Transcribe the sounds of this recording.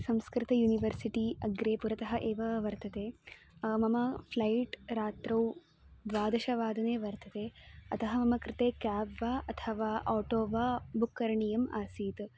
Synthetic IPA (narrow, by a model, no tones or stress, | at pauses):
sɐmskɾɪt̪ɐjuːniʋɐɾsiʈiɐɡɾeːpuɾɐt̪ɐɦɐʔeːʋɐʋɐɾt̪ʰɐt̪eː | mɐmɐpʰlɐjʈɾaːt̪ɾɐw | d̪ʋaːd̪ɐʃɐʋaːd̪ɐneːʋɐɾt̪ʰɐt̪eːɐt̪ʰɐɦɐmɐmɐkɾɪt̪eːkaːbʋaːʔɐt̪ʰɐʋaːʔɔːʈoːʋaːbukːɐɾɐɳijɐma̰ːsiːt̪